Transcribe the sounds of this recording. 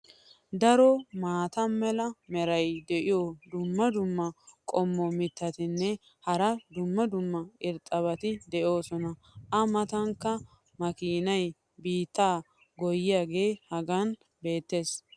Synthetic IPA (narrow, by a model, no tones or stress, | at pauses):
d̪ɐɾɔmaːt̪ɐmɛlɐmɛɾɐjd̪ɛʔɪjod̪ʊmːɐd̪ʊmːɐkʼɔmːɔmɪt̪ːɐt̪ɪnːɛ | hɐɾɐd̪ʊmːɐd̪ʊmːɐɪɾt̪ʼːɐβɐt̪ɪd̪ɛʔo̞ːsɔnɐ | ʔɐmɐt̪ɐŋkːɐ | mɐkiːnɐj | biːt̪ːaː | ɡɔjɪjaːɡe̞ːhɐɡɐn | be̞ːt̪ːe̞ːs